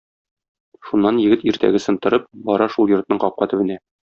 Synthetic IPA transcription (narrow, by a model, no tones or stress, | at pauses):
ʃunːɑnjɘ̆ɡɘt̪iɾt̪æ̰ɡɘsɤ̆nt̪ɤ̆ɾɤp̚bɒɾɑʃulˠjŏɾt̪nɤɴqɒp̚qɑt̪ɘ̆bɘ̆næ